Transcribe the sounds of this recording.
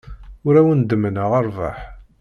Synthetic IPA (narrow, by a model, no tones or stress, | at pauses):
ʊɾæwənd̪əmənəʁəɾˤva̰ħ